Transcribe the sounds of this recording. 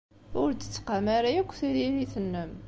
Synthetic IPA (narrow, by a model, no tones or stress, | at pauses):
ʊɾd̪ə̥t͡sːə̥qamaɾajækʷːθiðiɾiθənːəm